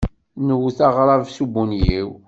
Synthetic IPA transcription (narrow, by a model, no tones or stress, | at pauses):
nəwθɑʁɾˤɑvsubunjiw